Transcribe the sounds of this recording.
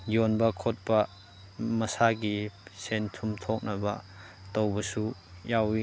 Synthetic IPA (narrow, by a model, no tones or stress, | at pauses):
jonbɐkʰot̚pɐ | mɐsaɡisentʰumtʰok̚nɐbɐ̰ | towbɐsujawi